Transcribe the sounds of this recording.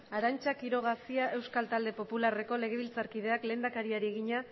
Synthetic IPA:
aɾant͡ʃakiɾo̞ɣ̞asiaʔe̞wskalt̪ald̪e̞po̞pulare̞ko̞le̞ɣ̞e̞βilt͡saɾkið̞e̞akle̞ːnd̪akaɾiaɾieɣiɲa

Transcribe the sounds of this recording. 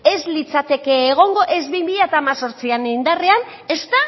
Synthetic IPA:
e̞zlit͡sat̪e̞ke̞ːɣ̞o̞ŋɡo̞ʔe̞zβimiʎat̪aːmaso̞ɾt͡sianind̪arean | e̞st̪a

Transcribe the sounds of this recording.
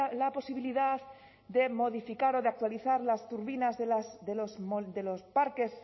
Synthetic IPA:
lapo̞siβiliðað | d̪e̞mo̞ð̞ifikaɾo̞ðeak̚t̪waliθaɾlast̪uɾβinazðelasðelosmod̪e̞lo̞spaɾke̞s

